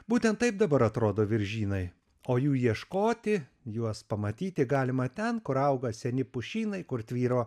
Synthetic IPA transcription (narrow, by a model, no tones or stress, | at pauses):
buːt̪ʲɛnt̪ɐɪp̚d̪ɐbɐɾɐt̪ɾoːd̪oːʋʲɪɾʲʒʲiːnɐɪ | oːjuːjiɛʃkoːt̪ʲɪ | juɔspɐmɐt̪ʲiːt̪ʲɪɡɑːlʲɪmɐt̪ʲɛnkʊɾɐʊɡɐsʲɛnʲɪpʊʃʲiːnɐɪkʊɾt̪ʲʋʲiːɾoː